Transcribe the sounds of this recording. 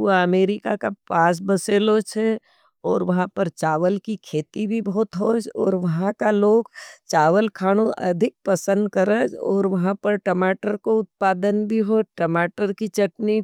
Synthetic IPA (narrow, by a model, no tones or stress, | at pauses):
aɐmeːɾɪkakapaːs̬bɐseːlot͡ʃʰe | ɔːɾʋɐɦãpəɾt͡ʃaːʋəlkikʰeːt̪ibʱibɐɦʊt̪ɦod͡ʒɔ̰ːɾʋɐɦãkaloːɡt͡ʃaːʋəlkʰaːɽ̃oʔɐ̰d̪ʱɪk̚pɐsə̃nd̪̚kəɾəd͡ʒɔ̰ːɾʋɐɦãpəɾʈɐmaːʈəɾkoʊt̪̚paːd̪ənbʱiɦoʈɐmaːʈəɾkit͡ʃɐʈni